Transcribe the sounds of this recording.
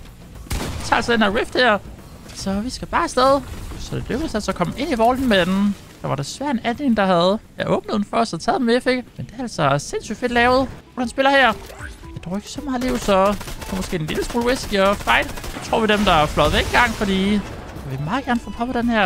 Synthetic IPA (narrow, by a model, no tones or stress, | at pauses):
it͡sʰɑ̈ːælsɒd̥enhæɐʁefd̥hæɐ | sɒ̽ʋisɡ̥æb̥ɑ̈ːsd̥eð̞ˠsɒ̽d̥e̝løɡ̥əð̩ˠsælsɒkʰɒ̽məe̝n̰iʋɒːln̩men | d̥ɑ̈ʋɑ̈ɾ̥esʋæɐ̰d̥e̝nænle̝ŋ̩d̥ɑ̈hæðˠjɑɪʔɔ̽ːb̥nəð̥ˠen̩fɒɒsɑt͡sʰɛ̰ːð̥ˠemefe̝ɡ̥mend̥eæɐælsɒse̝nsy̰̥ːfe̝d̥lɛːʊð̩̥ˠ | hænsb̥e̝lɐhæɐ̰̥ed̥ɒ̰ʊeɡ̥ə̥sɒ̽mɑ̈ːð̩ˠliʊ̰sɒ̥̽pʰɒmɔ̽sɡ̥e̝̰ːdenliləsmṵːlʁesɡ̥iɒfɑ̈ɪd̥sɑt͡sʰʁo̝ɐ̰ʋid̥emd̥ɑ̈æflɒ̽ð̩ˠʋeɡ̥enɡ̥ɑ̈ŋ̰fɒ̽dḭː | ɑʋemɑ̈ːðˠɡ̥æɐnfɔ̰̽ːpʰɒ̽pʰɒd̥enhæɐ̰